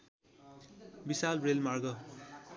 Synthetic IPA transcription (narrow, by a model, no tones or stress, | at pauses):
bisalrelmarɡʌ